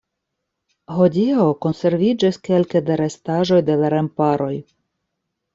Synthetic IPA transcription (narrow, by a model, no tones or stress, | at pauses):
ɦodʲioko̞nse̞ɾvʲid͡ʒaskelked̪aɾestaʒo̞jd̪elaɾempaɾo̞j